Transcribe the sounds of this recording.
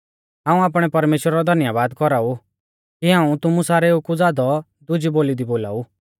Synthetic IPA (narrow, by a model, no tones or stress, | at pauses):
ɦãːũaːp̬ɽ̃ɛpɐɾmeːʃwɾaɾɔd̪ʱɐnjabaːd̪kɔɾau | kiɦãːũt̪ʊmũsaːɾɛukud͡zaːd̪ɔ | d̪ʊd͡ʒiboːlid̪iboːla̰ːu